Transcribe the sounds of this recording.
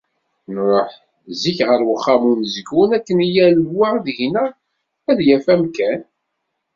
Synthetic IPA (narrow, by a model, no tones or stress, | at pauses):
nɾˤoħ | ziçʁəɾwəχːɑmuməzɡunækːənijælwaðʝnæ | æðjæfæmkæn